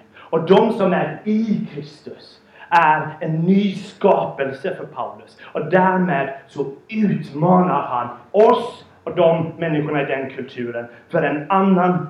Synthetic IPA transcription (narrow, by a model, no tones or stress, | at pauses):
ɔd̪ɔmsɔmæɾɪkʰɾɪst̪ʉs | æɾenːyːskɑːpəlsəfɔɾpʰaʊlʉsɔd̪æːɾmeːd̪sɔʉːt̪mɑːnəɾhɑnɔs | ɔd̪ɔmmɛnːɪɧʊɳɑɪd̪ɛnkʰʉlt̪ʰʉːɾənfɔɾɛnɑnːən